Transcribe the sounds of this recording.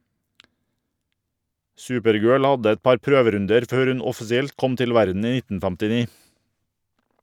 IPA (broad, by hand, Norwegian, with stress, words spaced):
ˈsʉːpəɾˌɡøːɭ ˈɑdə ˈɛt ˈpɑɾ ˈpɾøːʋəˌɾʉndəɾ ˈføːɾ ˈʉn ɔfɪsɪˈɛlt ˈkɔm ˈtɪl ˈʋæɾdn̩ ˈiː ˈnɪtn̩ fɛmtɪˈniː